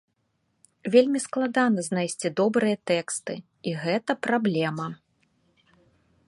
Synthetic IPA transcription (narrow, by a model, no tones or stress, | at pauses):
vʲelʲmʲisklˠad̪anɐznajsʲt͡sʲid̪ɔbɾɨjɐt̪ɛkst̪ɨ | iɣɛt̪ɐpɾablʲɛmɐ